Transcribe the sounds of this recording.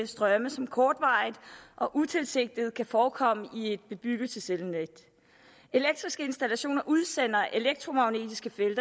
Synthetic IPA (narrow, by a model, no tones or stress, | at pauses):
sd̥ʁɶməsɒ̽mkʰɒːd̥ʋɑ̈ɪðˠʔɒ̽ʔut͡sʰe̝lse̝ɡ̥̚d̥ið̞̩ˠkʰæfɒːkʰɒ̽m̰əʔie̝d̥̚b̥e̝b̥yɡ̥ət͡sʰe̝selned̥ | e̝leɡ̥̚d̥ʁisɡ̥əe̝nsd̥ælæɕo̝̰ːnɐʔuð̞ˠsen̰ɐʔe̝leɡ̥̚dt͡sʰʁo̝mɑ̈ʊne̝̰ːd̥isɡ̥əfeld̥ɐ